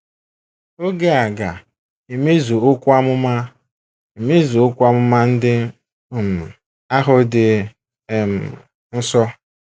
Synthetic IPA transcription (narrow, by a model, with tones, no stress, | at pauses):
o˦ɡe˦a˨ɡa˨ | e˨me˦zu˨o˦kʷa˦mʊ˦ma˦ | i˨me˦zu˨o˦kʷa˦mʊ˦ma˦n̩˦dɪ˦˨ | m̩˨ | a˦ɦʊ˨dɪ˨ | m̩˨ | n̩˦sɔ˦